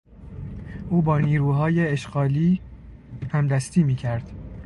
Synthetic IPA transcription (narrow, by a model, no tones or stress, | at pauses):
ʔuːbɒːniːɾuːɦɒːjeːʃɢɒːliː | hæmd̪æst̪ʰiːmiːcʰæɾd̪̥